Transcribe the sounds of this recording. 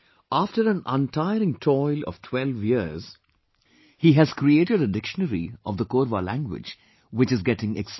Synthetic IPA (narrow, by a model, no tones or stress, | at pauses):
ʔaːfʈəɾæ̃nə̃ntʰaɪəɾɪ̃ŋtʰɔɪlɔ̰ʋ̥tʰwɛlʋjiəz̥ | hiɦæz̥kɾieːʈɪɖədɪkʃənəɾḭɔ̰vd̪əkoːɾʋalæ̃ŋɡwɪ̰d͡ʒ | wɪt͡ʃɨzɡɛʈɪ̃ŋɛks